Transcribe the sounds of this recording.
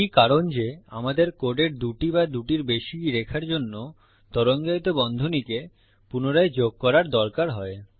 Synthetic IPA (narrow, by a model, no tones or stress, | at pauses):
ikaɾond͡ʑea̰mad̪eɾkoɖeɾd̪uʈibad̪uʈiɾbeʃiɾekʰaɾd͡ʑonːo | t̪ɔɾoŋd͡ʑajt̪obɔnd̪ʱonike | punoɾaed͡ʑoɡ̚kɔɾaɾd̪ɔɾkaɾɦɔe